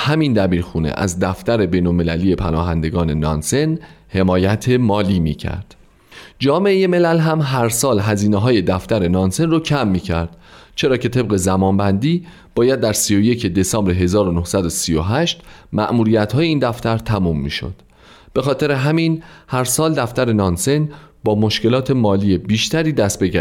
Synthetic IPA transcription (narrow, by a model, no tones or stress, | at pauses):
hæmind̪æbiːɾxuːnḛʔæ̰zd̪æft̪æɾe̞be̞jnolme̞læliːje̞pʰænɒːɦæ̰nd̪e̞ɡɒːne̞nɒ̰ːnse̞nhe̞mɒːjæt̪ʰe̞mɒːliːmḭːcʰæ̰ɾd̪̥ | d͡ʒɒːme̞ʔeje̞me̞lælɦæmɦæɾsɒːlɦæziːneɦɒːje̞d̪æft̪æɾe̞nɒːnse̞nrocʰæmːiːcʰæɾd̪̥t͡ʃʰe̞ɾɒːcʰe̞t̪ʰe̞b̚ɢe̞zæmɒːnbænd̪iː | b̥ɒːjæd̪̚ːæɾsijo̞je̞cʰe̞d̪e̞sɒːmbɾeɦe̞zɒːɾonohsæd̪osijo̰ɦæʃt̪mæ̰ʔmuːɾijæt̪hɒːjeiːnd̪æft̪æɾt̪ʰæmuːmːḭːʃo̞̰d̪̥ | b̥e̞xɒːt̪ʰe̞ɾe̞ɦæminhæɾsɒːld̪æft̪æɾe̞nɒːnse̞nbɒːmo̞ʃke̞lɒːt̪ʰe̞mɒːliːe̞biːʃt̪æɾiːd̪æst̪̚beɡæ